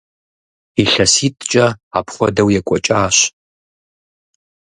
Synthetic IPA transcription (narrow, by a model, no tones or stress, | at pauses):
iɬɐsiːtʼt͡ʃʼɐa̰pʰχʷɔ̰dɐwjɛkʷʼɔt͡ʃʼaːɕ